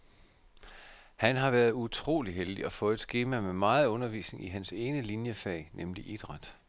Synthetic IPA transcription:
hænɦɑ̈ʋæɐð̩ˠut͡sʰʁo̝̰ːliɦeld̥iɒ̽fɔ̽ːð̩ˠed̥sɡ̥e̝ːmæmemɑ̈ːð̞̩ˠɔ̽nɐʋḭːsne̝ŋʔiɦænse̝ːnəlinjəfɛ̰ːnʔemliʔid̥ʁɑ̈d̥

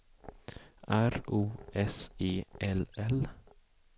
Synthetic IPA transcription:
ʔæɾuːʔɛseːʔɛlɛl

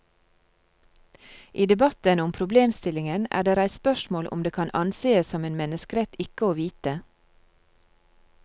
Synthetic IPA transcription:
ʔiːd̪ɛbɑt̪ənʊmpʰɾʊbleːmst̪ɪlɪŋənæ̰ːɖeːɾæɪspœʃmoːlʔʊ̰md̪eːkʰɑnʔɑnseːəssɔmeːnmɛnəskəɾɛt̪ɪkəoːʋiːt̪ə

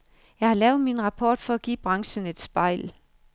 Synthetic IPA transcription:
jɑ̈ɪhɑ̈lɛːʊð̩ˠminʁɑ̈pʰɒ̰ːd̥fɒ̽æɡ̥ḭːb̥ʁɑ̈ŋsəne̝d̥sb̥ɑ̈ɪ̰l

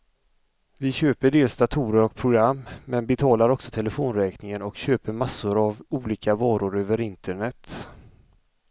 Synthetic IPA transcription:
vɪɕøːpəɖeːlsd̪at̪ʰuːɾəɾɔk̚pʰɾʊɡɾamːmɛnbɛt̪ʰɑːlaɾɔksɔt̪ʰɛləfoːnɾɛːknɪŋənɔkɕøːpəɾmasːʊɾavuːliːkavɑːɾʊɾøːvəɾɪnt̪ʰəɳɛt̪

